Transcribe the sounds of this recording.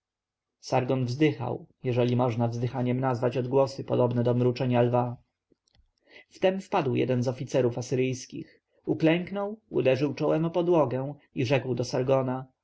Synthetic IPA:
saɾɡɔnvzd̪ɘxa̰wjɛʐɛlʲimɔʐnavzd̪ɘxaɲɛmnazvat͡ɕɔd̪ɡwɔsɘpɔd̪ɔbnɛd̪ɔmɾut͡ʂɛɲalva | ft̪ɛmfpad̪wjɛ̰d̪ɛnzɔfʲit̪sɛɾufasɘɾɘjskʲḭx | uklɛŋknɔwṵd̪ɛʐɘwt͡ʂɔwɛmɔpɔd̪wɔɡɛ̃w̃iʐɛkwd̪ɔsaɾɡɔna

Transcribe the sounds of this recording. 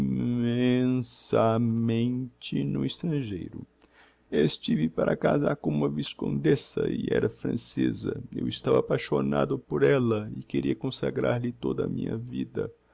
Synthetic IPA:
mẽsɐmẽnt͡ʃɪnʊist̪ɾɐ̃ʒejɾʊ | eɪst͡ʃivɪpaɾɐkazaɾkõũmɐviskõnd̪esɐɪʔɛɾɐfɾɐ̃sezɐewɪst̪avɐaːpajʃonad̪ʊpoɾɛlɐɪkeɾiɐkõsaɡɾaɾlɪt̪od̪ɐmĩɲɐvid̪ɐ

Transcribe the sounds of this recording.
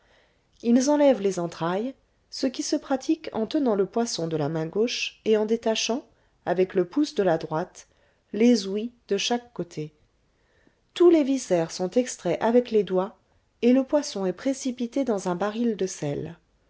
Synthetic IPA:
ilzɑ̃lɛvlezɑ̃t̪χaj | səkʲisəpχat̪ʰikɑ̰̃t̪ənɑ̃ləpwasɔ̃d̪əlamɛ̃ɡoʃeɑ̃d̪et̪aʃɑ̃ | avɛkləpusd̪əlad̪ʁwat̪ | lezwid̪̥əʃakːot̪ʰe | t̪ulevisɛʁsɔ̃t̪ɛkst̪χɛʔavɛkled̪wa | eləpwasɔ̃ɛpχesipit̪ed̪ɑ̃zɛ̃baʁild̪əsɛl

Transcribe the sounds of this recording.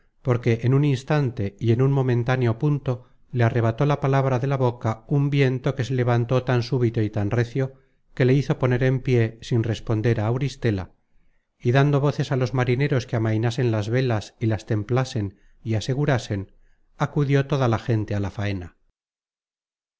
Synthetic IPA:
po̞ɾke̞ʔːnuninst̪ant̪e̞ie̞nunmo̞mẽnt̪aneo̞punt̪o̞ | leare̞β̞at̪o̞lapalaβɾaðe̞laβo̞kaumbje̞nt̪o̞ke̞se̞le̞β̞ant̪o̞t̪ansuβit̪o̞it̪anre̞θjo̞ | ke̞le̞iθo̞po̞ne̞ɾe̞mpje̞sinre̞spo̞nd̪e̞ɾaːwɾist̪e̞la̰ | iðand̪o̞β̞o̞θe̞salo̞zmaɾine̞ɾo̞skeamajnase̞nlazβe̞lasilast̪e̞mplase̞n | iase̞ɣuɾase̞n | akuðjo̞t̪o̞ðalaxe̞nt̪e̞alafaena

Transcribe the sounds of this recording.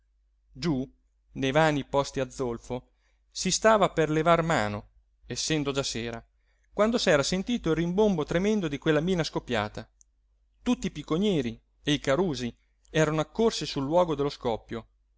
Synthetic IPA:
d͡ʒu | nejvaːnipɔst̪iad̪zːolfo | sist̪aːvaperlevarma̰ːno | esːɛnd̪od͡ʒaseːɾa | kwand̪osɛːɾasent̪iːt̪oilrimbombot̪ɾemɛnd̪od̪ikwelːamiːnaskopːja̰ːt̪a | t̪ut̪ːiːpikːoɲɛːɾi | eikaɾuːzi | ɛːɾanoakːorsisulːwɔːɡod̪elːoskɔpːjo

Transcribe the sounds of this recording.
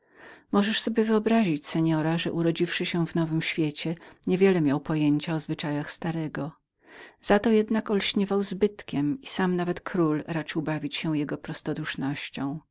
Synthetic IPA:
mɔʐɛʂsɔbʲjɛvɘɔbɾaʑit͡ɕsɛɲɔɾaʐɛʔuɾɔd͡ʑifʂɘɕɛvnɔvɘmɕfʲjet͡ɕɛɲɛvʲjɛlɛmʲjawpɔjeɲt͡ɕaɔzvɘt͡ʂajaxst̪aɾɛɡɔ | z̥at̪ɔjɛd̪nakɔlɕɲɛvawzbɘt̪kʲɛmisamnavɛt̪kʰɾulɾat͡ʂɘwbavʲit͡ɕɕɛjɛɡɔpɾɔst̪ɔd̪uʂnɔɕt͡ɕɔ̃w̃

